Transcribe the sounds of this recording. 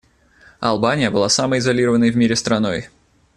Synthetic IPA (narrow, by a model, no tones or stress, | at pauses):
ɐ̰lˠbanʲɪjəbɨlˠasaməɪzɐlʲiɾəvənːəjvmʲiɾʲɪst̪ɾɐno̞j